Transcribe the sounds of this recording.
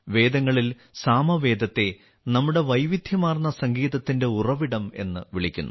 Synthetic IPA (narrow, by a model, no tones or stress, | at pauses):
ʋe̞ːd̪ɐŋːɐɭil | saːmɐʋe̞ːd̪ɐt̪ːe̞ | nɐmːuɽe̞ʋɐjʋid̪ʱjɐmaːrnːɐsɐŋɡiːðɐt̪ːinde̞urɐʋiɽɐme̞̰nːɨʋiɭikʲːṵnːʔṵ